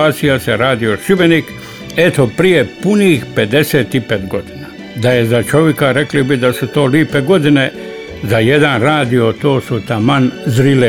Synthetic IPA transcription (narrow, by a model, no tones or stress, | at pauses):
aːt̪sijaseɾaːd̪io̞ʃiʋe̞nik | e̞t̪opɾije̞punixpe̞d̪e̞seːt̪ipet̪ɡo̞d̪ina | d̪aje̞zat͡ʃo̞ʋjekaɾe̞klibid̪asut̪o̞ːliːpe̞ɡo̞d̪ine̞ | zaje̞d̪anɾaːd̪io̞t̪o̞ːsut̪amanzɾile